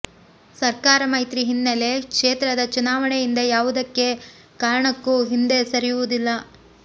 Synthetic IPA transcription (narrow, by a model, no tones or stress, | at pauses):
sɐɾkaːɾɐmɐjt̪ɾiɦinːɐle̞kʂeːt̪ɾɐd̪ɐt͡ʃunaːʋɐɳejind̪ɐjaːʋud̪ɐkːe̞ | kaːɾɐɳɐkːuɦind̪e̞sɐɾijuʋud̪ilːɐ